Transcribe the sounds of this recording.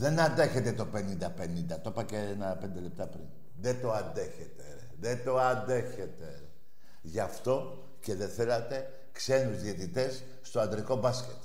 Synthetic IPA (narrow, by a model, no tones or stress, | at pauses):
ðe̞nɐnd̪e̞çe̞t̪e̞t̪o̞pe̞nind̪ɐpe̞nind̪ɐt̪o̞pɐceenɐpe̞nd̪e̞le̞p̚t̪ɐpɾin | ðet̪o̞ɐnd̪e̞çet̪e | ðet̪o̞ɐnd̪e̞çe̞t̪e̞ | ʝɐft̪o̞ | ce̞ðeθe̞lɐt̪e̞ | kse̞nuzðiet̪it̪e̞sː | t̪o̞ɐnd̪ɾiko̞bɐscʲet̪